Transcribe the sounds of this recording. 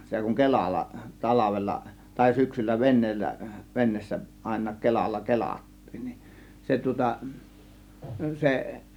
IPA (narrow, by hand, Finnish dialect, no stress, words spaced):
se kuŋ kelɑlːɑ tɑlɑʋelːɑ tɑˑe̝ syksylːæ ʋenˑeːlːæ ʋenˑeːsːæ ɑˑe̝nˑɑːk kelɑlːɑ kelɑtːiːn nin se tŭŏtɑ se